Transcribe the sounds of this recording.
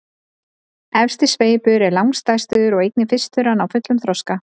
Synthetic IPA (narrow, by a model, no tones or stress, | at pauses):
ɛfst̪ɪsveːjpʏɾɛɾlawŋst̪ajst̪ʏːðʏɾɔɣejknɪfɪst̪ʏɾanawfʏt̪lʏmθɾɔska